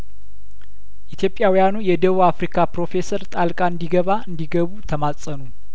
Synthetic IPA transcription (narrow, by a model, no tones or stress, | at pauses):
ʔit̪ʰjo̞pʼːjawijanujɛd̪əβuafɾikʰapɾo̞fe̞səɾt̪ʼalkʼaɨnd̪iɡəβaɨnd̪iɡəβut̪ʰəmasʼənu